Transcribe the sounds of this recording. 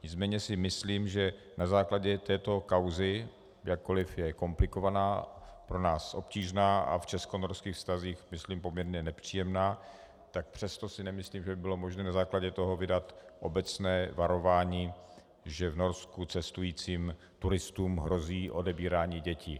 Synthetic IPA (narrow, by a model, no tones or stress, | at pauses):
ɲɪt͡smɛːɲɛsɪmɪsliːmʒɛ | nazaːklaɟɛt̪ɛːt̪o̞kawzɪ | jakːo̞lɪfjɛko̞mplɪko̞vanaːpɾo̞naːsʔo̞pciːʒnaːʔa̰ft͡ʃɛskonoɾskiːxfst̪aziːxmɪsliːmpo̞mɲɛɾɲɛnɛpr̝̥iːjɛmnaː | t̪ak̚pr̝̥ɛst̪o̞sɪnɛmɪsliːmʒɛbɪbɪlo̞mo̞ʒnɛːnazaːklaɟɛt̪o̞ɦo̞vɪdat̪ʔo̞bɛt͡snɛːvaɾo̞vaːɲiː | ʒɛvno̞ɾskut͡sɛst̪ujiːt͡siːm | t̪uɾɪst̪uːmɦɾo̞ziːʔo̞dɛbiːɾaːɲiːɟɛcḭ